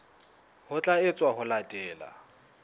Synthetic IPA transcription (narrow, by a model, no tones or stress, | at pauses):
hʊt͡ɬʼaɪt͡sʼwaɦʊlatʼɛːla̰